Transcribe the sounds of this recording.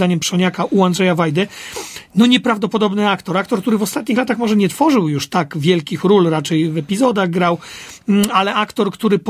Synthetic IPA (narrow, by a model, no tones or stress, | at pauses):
aɲɛmpʂɔɲakaʔuand̪ʐɛjavajd̪ɛnɔɲɛpɾavd̪ɔpɔd̪ɔbnɘakt̪ɔɾakt̪ɔɾkt̪uɾɘvɔst̪at̪ɲixlat̪axmɔʐɛɲɛt̪fɔʐɘwjuʂt̪aɡvʲjɛlkʲixɾulɾat͡ʂɛjvɛpʲizɔd̪aɣɡɾaw | alɛʔakt̪ɔɾkt̪uɾɘp